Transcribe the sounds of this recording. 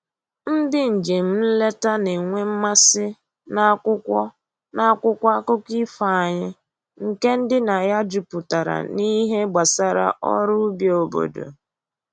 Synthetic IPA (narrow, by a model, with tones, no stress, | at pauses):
n̩˦dɪ˦n̩˨d͡ʒe˨m̩˦n̩˦le˦ta˦ne˨ŋʷe˦m̩˦ma˦sɪ˦ | na˦kʊ˦kʷɔ˦ | na˦kʷʊ˦kʷa˦kʊ˦ki˦fa˨a˨ɲɪ˦ | ŋ̩˨ke˦n̩˦dɪ˦na˨ja˦d͡ʒu˨pʊ˨ta˨ɾa̰˨ni˦ɦe˦ɡ͡ba˨sa˦ɾa̰˦ʔɔ̰˦ɾʊ˦bjo˨bo̰˨do̰˨